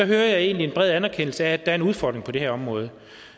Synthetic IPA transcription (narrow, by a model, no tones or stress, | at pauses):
ɒ̽ɦøːɐjɑ̈ɪe̝ːnlie̝nb̥ʁɛð̰ˠænæɐkʰen̰l̩səæːd̥ɑæɐe̝nuð̞ˠfɒ̰d̥ʁeŋpʰɒ̽d̥e̝heɐɒ̽mʁɔ̽ːð̞ˠ